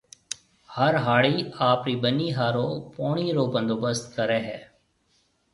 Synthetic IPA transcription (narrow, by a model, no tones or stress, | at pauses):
həɾɦaːɭiːaːpɾiːbənːiːɦaːɾoːpoːɳ̃iːɾoːbə̃nd̪oːbəst̪kəɾɛːɦɛː